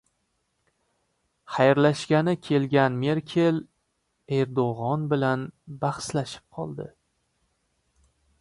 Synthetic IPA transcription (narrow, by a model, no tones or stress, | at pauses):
χajɾlaʃɡʲanɪkʲʰe̞lɡʲanme̞ɾkʲʰe̞l | e̞ɾd̪oʁɒnbɪlanbaχslaʃɪ̥p̚qʰɒlˠd̪ɪ